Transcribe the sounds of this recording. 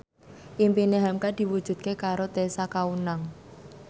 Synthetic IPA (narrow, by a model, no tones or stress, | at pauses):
ʔimpineɦamkad̪̥i̤wud̥ʒ̥ṳd̪̚kekaɾot̪esakaunaŋ